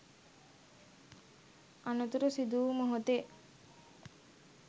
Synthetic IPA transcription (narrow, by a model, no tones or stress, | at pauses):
anut̪uɾusid̪uːməɦot̪e